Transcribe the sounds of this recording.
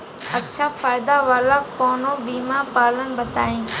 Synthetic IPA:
ətt͡ʃʰaːfaːɪd̪aːʋaːlaːpoːnõːɓiːmãːpaːlənbət̪aːĩː

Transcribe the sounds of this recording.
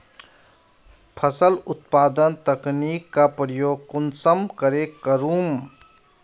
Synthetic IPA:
pʰəsəlʊt̪paːd̪ənt̪əknikːapɾəjoːɡ̚kʊnsəmkəɾekəɾuːm

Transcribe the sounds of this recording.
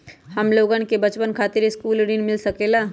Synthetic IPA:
hɐmloːɡə̃nkebɐt͡ʃpənkʰaːt̪ɪɾeskuːlɖinmɪlsɐkeːlaː

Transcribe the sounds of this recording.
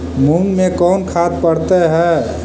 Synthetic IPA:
munmekɔːnkʰat̪̚pəɾt̪eɦɛː

